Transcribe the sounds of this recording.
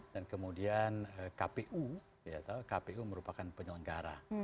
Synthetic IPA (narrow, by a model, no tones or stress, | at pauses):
d̥ankəmudianəkapeʔu | jat̪akapeuməɾupakanpəɲələŋɡaɾa̰